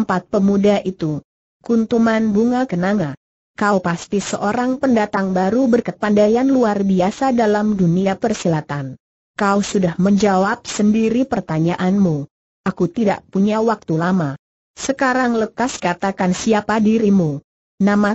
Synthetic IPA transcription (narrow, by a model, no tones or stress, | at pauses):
mpat̪̚pəmudaʔit̪u | kunt̪umanbuŋakənaŋa | kaupast̪isəʔoɾaŋpəndat̪aŋbaɾubərkət̪̚pandajanluarbiasadalamduniapərsilat̪an | kausudahməɲd͡ʒawap̚səndiɾipərt̪aɲaʔanmu | ʔakut̪ida̰ʔpuɲawak̚t̪ulama | səkaɾaŋləkaskat̪akansiapadiɾimu | nama